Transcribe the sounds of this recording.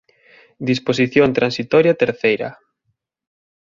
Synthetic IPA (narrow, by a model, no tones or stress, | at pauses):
d̪ispos̬iθjont̪ɾansit̪ɔɾjat̪eɾθejɾɐ̰